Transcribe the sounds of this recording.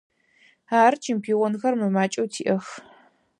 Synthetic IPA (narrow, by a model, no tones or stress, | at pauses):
aːrt͡ʃʰɪmpʰiːʁʷɔnxɐrmɨmaːt͡ʃʼɐwtʰḭːʔɐx